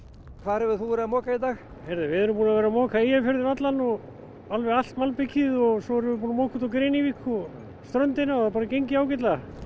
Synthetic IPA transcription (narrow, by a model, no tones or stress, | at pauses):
kʰvaðɾɛvɪθuvɛɾamɔːkait̪aːx | hɛɾðɪvɪðɛɾʏmp̬uːnavɛːɾamɔːkaejafɪɾðɪnat̪lanɔɣ | alvɛɣal̥t̪malpɪcʰɪðɔɣsɔɛɾʏvɪpuːnamɔːkʰut̪awkɾejnivikʰːɔ | st̪ɾœnt̪ɪnaapaːɾacejɲcɪaːwcɪt̪la